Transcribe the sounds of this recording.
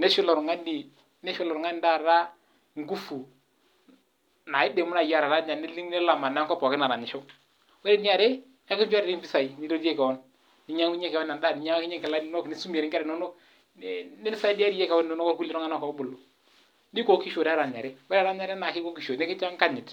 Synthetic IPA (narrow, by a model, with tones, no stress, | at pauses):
ne˦ʃʊ˦lɔ˨ɾŋa˦ni˨ | ne˦ʃʊ˦lɔ˨ɾŋa˦n˦da˦˨ɾa˦ | ŋ˦ɡu˦fu˨ | na˨ɪ˦de˨mu˦na˨ja˦ɾa˨ɾa˦ɲa˨nɪ˦li˦ŋnɛ˦la˨ma˨na˦ŋkɔ˦pɔ˨kɪ˦na˨ɾa˨ɲɪ˨ʃo˦ | wɛ˦ɾe˦n˦a˨ɾe˦ | a˦kɪ˦nd͡ʒa˦ɾɪ˨ɾi˦mbi˦sa˨i˨ni˦ɾo˦de˦ka˨ɔ˦n | ni˦ɲa˦ŋki˦ɲe˦kɛ˨ɛ˦na˨nda˦ni˦ɲa˦ŋ˦ki˦ɲɛ˦ŋkɛ˨la˦n˦nɔ˦kni˦su˦m˨e˨ɾɪ˦ŋkɛ˦ɾɛ˨no˦nɔ˦k | nɪ˦n˦sa˦i˦da˦ɾi˦je˦ka˨wɔ˦nu˦nɔ˦kɔ˦ɾku˦li˦ɾɔ˦ŋa˦na˦˨kɔ˨˦bʊ˨lːo˨ | ndi˦ko˨ki˦ʃo˨da˦ɾa˨ɲa̰˨ɾe˦wɛ˦ɾa˦ɲa˦ɾna˨kɪ˦ko˦ki˨ʃo˨ne˦kt͡ʃŋka˦ɲɪ˨t